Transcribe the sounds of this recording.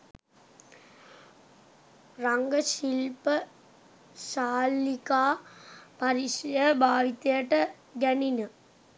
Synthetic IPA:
raŋɡəɕilpə | saːlːikaːpaɾiʂɐjəbʱaːʋit̪ɐjəʈə | ɡæninə

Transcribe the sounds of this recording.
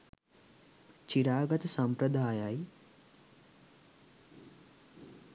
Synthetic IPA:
t͡ʃiɾaːɡət̪sɐ̃mpɾəd̪ʱaːjaːj

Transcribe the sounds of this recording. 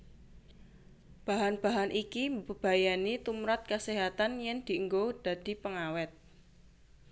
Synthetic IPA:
b̥a̤ɦanb̥a̤ɦanʔikibəb̥a̤janit̪umɾat̪̚kəseɦat̪anjɛŋd̪̥i̤əŋɡod̪̥ä̤d̪̥i̤pəŋawɛt̪̚

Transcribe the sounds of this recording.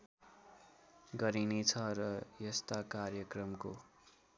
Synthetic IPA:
ɡʌɾinet͡sʰʌrʌjʌst̪akarjʌkrʌmko

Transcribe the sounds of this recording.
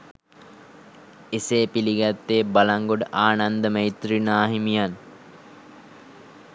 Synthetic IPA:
eseːpiliɡæt̪ːeːbalaŋɡoɖəʔaːnand̪əməit̪rinaːɦimijan

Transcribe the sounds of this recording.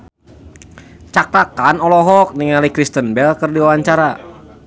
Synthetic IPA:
t͡ʃak̚t̪akanɔlɔɦɔk̚niŋalikɾist̪ənbɛlkərdiwawaɲt͡ʃaɾa

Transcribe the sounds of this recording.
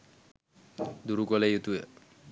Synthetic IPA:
d̪uɾukɔlejut̪ue

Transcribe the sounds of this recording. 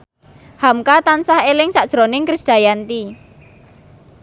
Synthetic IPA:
hamkat̪ansahelɪŋsaʔd̥ʒ̥ɾonɪŋkɾisd̪̥a̤jant̪i

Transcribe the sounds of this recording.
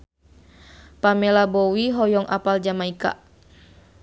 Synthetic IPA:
pamɛlabɔwiɦɔjɔŋʔa̰pald͡ʒamaika̰ʔ

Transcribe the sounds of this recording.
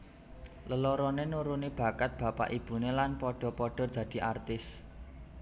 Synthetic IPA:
ləlɔɾɔnenuɾunib̥a̤kat̪̚b̥ä̤pa̰ʔib̥ṳnelanpɔɖ̥ɔ̤pɔɖ̥ɔ̤d̪̥ä̤d̪̥i̤ʔart̪ɪs

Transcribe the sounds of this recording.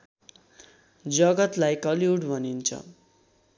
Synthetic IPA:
d͡zʌɡʌt̪lajkʌliuɽbʱʌnint͡sʰʌ̰

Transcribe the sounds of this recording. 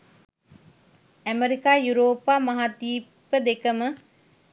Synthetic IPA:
æmeɾikaːjuɾoːpaːmɐɦat̪iːpəd̪ekəmə

